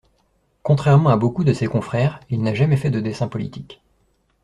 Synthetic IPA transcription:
kɔ̃t̪χɛʁmɑ̃abokud̪əsekɔ̃fχɛːʁilnaʒamɛfɛd̪əd̪esɛ̃pɔlḭt̪ik

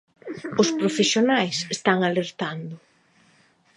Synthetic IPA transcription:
ʊspɾofesjonajsest̪aŋaleɾt̪and̪ʊ

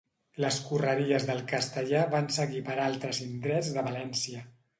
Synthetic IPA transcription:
ləskurəɾiəzðəlˠkəst̪əʎaβansəɣipəɾalˠt̪ɾəzind̪ɾɛd͡zðəβəlɛnsiə

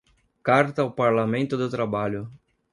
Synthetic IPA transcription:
kaɾt̪ɐːwpaɾlamẽnt̪ʊd̪ʊt̪ɾabaʎʊ

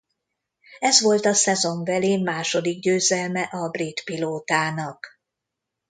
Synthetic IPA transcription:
ɛzʋo̞lt̪ɒsɛzo̞ɱvɛleːmaːʃo̞d̪iɡ̚ɟøːzɛlmɛʔɒbrit̪piloːt̪aːnɒk

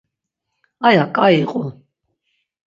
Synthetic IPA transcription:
ajakʼaiqʼʊ

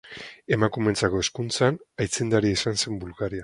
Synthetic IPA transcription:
e̞makume̞nt͡sako̞e̞skunt͡sanajt͡send̪aɾiaisanse̞mbulɣaɾia

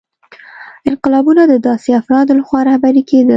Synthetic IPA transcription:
ɪnqɪlɑbunad̪əd̪ɑseafɾɑd̪laxwɑɾahbaɾiked̪ə

